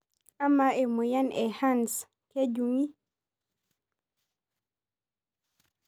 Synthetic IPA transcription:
a˦ma˨e˨mu˨ja˦nɛ˨ha˦ns | ke˦ɟu˨ŋi˦

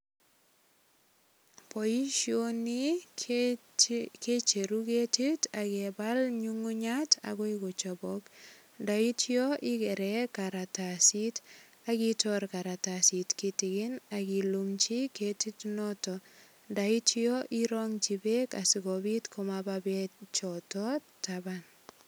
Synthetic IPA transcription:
po˨ji˦ʃioni˦ | ke˦t͡ʃe˨ɾu˦ke˦ti˦ta˨kɛba˦lɲu˦ŋu˦ɲatʰa̰ɡɔ˦ɪɡɔ˨t͡ʃɔ˨bɔk | da˨itʰiɔ˦ʔɪ˦kɛ˨ɾɛkaɾa˨tasi˦t | a˨ɡi˦tɔɾka˨ɾa˨tasi˨tki˨tɪ˨ɡɪ˦na˨ɡi˨lumt͡ʃi˦ke˦ti˦tnɔtɔ | nda˨itiɔʔiɾɔŋt͡ʃi˨beka˨sɪ˨ɡɔbi˦tkʰɔ˦mababɛt͡ʃɔ˨tɔ | taban

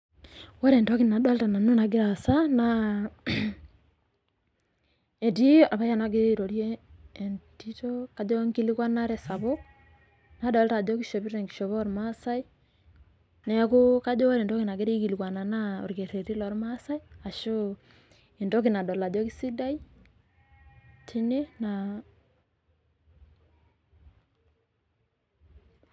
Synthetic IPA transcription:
wɔ˦ɾe˨ndɔ˦ki˦na˨dɔ˦lta˨na˨nu˦na˨ɡi˦ɾa˨sa˦na | e˨ti˦a˨βa˦ja˨na˨ɡe˦ɾe˦˨ɾo˨ɾjeː˦˨nti˦to˦ka˨d͡ʒo˦ŋɡi˦li˦kwa˦na˦ɾɛ˨sa˨βo˦ | na˨dɔ˨lta˨do˦ki˦ʃo˨βi˦ɾe˨ŋɡi˨ʃo˨βɔ˦ɾma˦sa˦i˦ | nɛ˨ko˦ka˦d͡ʒo˦ɾe˨ndo˦ki˨na˨ɡe˦ɾe˦ki˨li˨kwa˨na˨na˦o̰˨ɾke˨ɾe˨ɾi˦lɔ˨ɾma˦sa˦i˦a˨ʃo˦ | e˨ndo˦ki˨na˨do˨la˨do˦ki˦si˦da˦i˦ | tʰi˦ne˦na

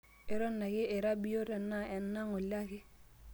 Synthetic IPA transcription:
ɪ˨ɾɔ˦nːa˨kɪ˦e˨ɾa˦bi˦jo˦ɾɛ˨nːa˦ɛ˨nːa˦ŋɔ˨la˦kɪ˦

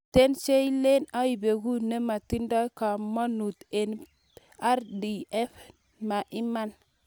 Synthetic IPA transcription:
te˦nt͡ʃe˦i˦le˦na˦i˨be˨ɡu˦ne˦ma˨ti˦nda˦jka˨ma˦nu˨t̪e˨n | a˦ɾdi˨ɛ˦f | ma˨ʔi˦ma˦n

